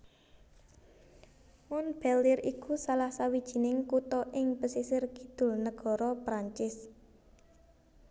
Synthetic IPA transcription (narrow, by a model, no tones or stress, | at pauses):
mɔnb̥ɛlɪrikusalahsawid̥ʒ̥i̤nɪŋkut̪ɔʔɪŋpəsisɪrki̥d̪̥ʊ̤lnəɡ̥ɔ̤ɾɔpɾaɲt͡ʃɪs